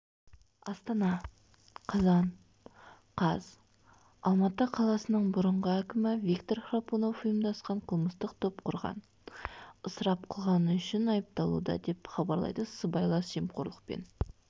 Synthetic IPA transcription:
ɑst̪ɑnɑ | qʰɑzɑn | qʰɑz̥ | ɑlˠmɑt̪əqʰɑlˠɑsənəɴbʊɾəɴʁəækʲɪmɪvʲikt̪orχraponofʊjəmd̪ɑsqɑɴqʰəlˠməst̪əq̚t̪ʰop̚qʰʊɾʁɑ̰n | əsəɾɑp̚qʰəlˠʁɑnəʏʃɪnɑjəp̚t̪ɑlˠṵd̪ɑ̰d̪e̞pχɑbɑɾlˠɑ̰jd̪əsəbɑjlˠɑsʒemqʰoɾlˠəq̚pḛn

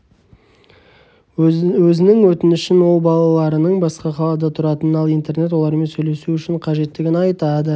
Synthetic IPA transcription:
wɵzɪnɪŋwɵt̪ɪnɪʃɪnwo̞lˠbɑlˠɑlˠɑɾənəɴbɑsqɑqɑlˠɑd̪ət̪ʰʊɾɑt̪ənɑlˠijnt̪e̞ɾne̞t̪̬wo̞lˠɑɾme̞nsɵjle̞suʏʃɪɴqʰɑʒe̞t̪ːɪɡʲɪnɑjt̪ɑd̪ə

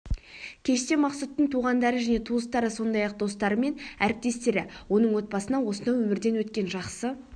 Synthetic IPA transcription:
kʲʰe̞ʃt̪e̞mɑqsut̪ːəɴt̪ʰuʁɑnd̪ɑɾəʒæne̞t̪ʰuəst̪ɑɾəso̞nd̪ɑjɑq̚d̪o̞st̪ɑɾəme̞næɾɪp̚t̪e̞st̪e̞ɾɪwo̞nəɴwo̞t̪̚bɑsənɑwo̞sənd̪ɑwɵmɪɾd̪e̞nwɵt̪kʲe̞nʒɑqsə

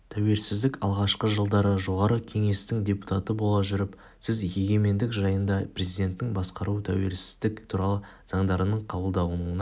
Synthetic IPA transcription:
t̪ʰæwe̞ɾsɪzd̪ɪkɑlˠʁɑʃqəʒəlˠd̪ɑɾəʒo̞ʁɑɾəkʲʰe̞ŋe̞st̪ɪŋd̪ʲe̞pu̥t̪ɑt̪əbo̞lˠɑʒʏɾɪp | sɪzje̞ɡʲe̞me̞nd̪ɪkʒɑjənd̪ɑpɾezijd̪ʲe̞nt̪ːɪŋbɑsqɑɾut̪ʰæwe̞ɾsɪzd̪ɪkt̪ʰuɾɑlˠə | z̥ɑɴd̪ɑɾənəɴqʰɑbəlˠd̪ɑwənuənɑ

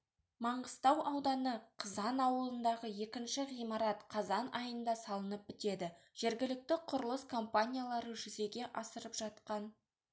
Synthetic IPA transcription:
mɑɴəst̪ɑwʔɑwd̪ɑnəqʰəzɑnɑwəlˠənd̪ɑʁəje̞kʲɪnʃɪʁijmɑɾɑt̪qʰɑzɑnʔɑjənd̪ɑsɑlˠənəp̚bɪt̪e̞d̪ɪ | ʒ̥e̞ɾɡʲɪlɪk̚t̪ɪqʰʊɾəlˠəskʰo̞mpanʲijalˠɑɾəʒʏze̞ɡʲe̞ʔɑsəɾəpʒ̥ɑt̪qɑn

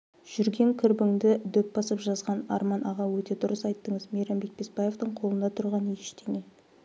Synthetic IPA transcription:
ʒ̥ʏɾɡʲe̞ŋkʲʰɪɾbɪŋd̪ɪd̪ɵp̚bɑsəpʒɑzʁɑnɑ̰ɾmɑnʔɑʁɑwɵt̪e̞d̪ʊɾəsɑjt̪ːəɴəzmeɾɑmbe̞k̚pʰesbɑje̞vt̪əɴqʰo̞lˠənd̪ɑt̪ʰʊɾʁɑneʃt̪e̞ŋe

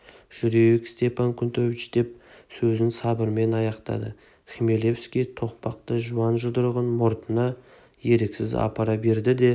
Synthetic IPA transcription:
ʒ̥ʏɾeekst̪e̞pʰɑŋkʲʰʏnt̪ʰɵvɪt͡ʃd̪̥e̞p̚sɵzɪnsɑbəɾme̞nɑjɑqt̪ɑ̰d̪ə | χʲime̞le̞fskʲet̪ʰo̞q̚pɑq̚t̪əʒuɑnʒəd̪əɾʁənmoɾt̪ʰənɑ | je̞ɾeksɪzɑ̰pɑɾɑbe̞ɾd̪ɪd̪e̞

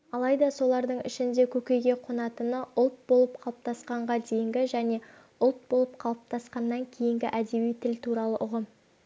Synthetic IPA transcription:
ɑlˠɑjd̪ɑso̞lˠɑɾd̪əɴɪ̰ʃɪnd̪e̞kʲʰɵkʲe̞jɡʲe̞qʰonɑt̪ənəʔʊlˠt̪̚bo̞lˠəp̚qʰɑlˠəp̚t̪ɑsqɑɴʁɑd̪e̞jɪŋɡʲɪʒæne̞ | ʊlˠt̪̚bo̞lˠəpqʰɑlˠəp̚t̪ʰɑsqɑnːɑŋkʲʰe̞jɪŋɡʲɪʔæd̪e̞bijt̪ʰɪlt̪ʰuɾɑlˠəʔʊʁəm

